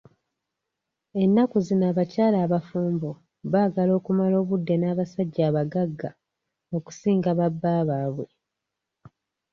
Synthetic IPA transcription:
e̞nːakuzinaːβacaːlaːβafuːmbo | βaːɡalo̞ːkumalo̞ːβudːe̞naːβasaɟːaːβaɡaɡːa | o̞ku̥siːŋɡaβabːaːβaːβwe̞

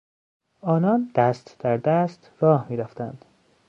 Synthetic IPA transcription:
ɒːnɒːnd̪̥æst̪d̪̥æɾd̪æst̪ɾɒːhmiːɾæft̪ænd̪̥

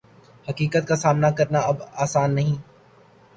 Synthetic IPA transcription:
hɐkiːkət̪̚kasaːmnakɐɾnaɐbaːsaːnːɐɦĩː

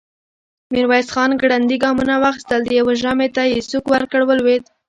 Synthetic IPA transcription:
miɾwajsxɑnɡɽand̪iɡɑmunawɑxi̥st̪əld̪əjaweʒɑmet̪ajesukwaɾkɽawəlwed̪

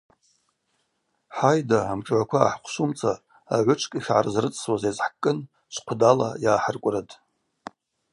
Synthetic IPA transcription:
ħajdaːmʈ͡ʂʼʕʷakʷʰa̰ːħqʷʰʃumt͡sʰʼa | aʕʷʊʈ͡ʂʰʼkʼiχʲʕa̰rzrɨt͡sʼswazazħkʼːɨn | sʰʷqʷʰdala̰jaːħərkʷʼratʰʼ

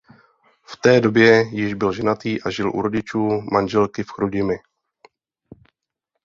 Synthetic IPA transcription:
ft̪ɛːdo̞bjɛjɪʒbɪlʒɛnat̪iːʔaʒɪlʔṵɾo̞ɟɪt͡ʃuːmanʒɛlkɪfxɾuɟɪmɪ

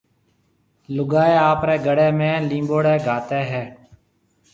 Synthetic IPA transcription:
lʊɡaːeːaːpɾɛːɡəɽɛːmẽːlĩːmboːɽɛːɡʱaːt̪eːɦɛː

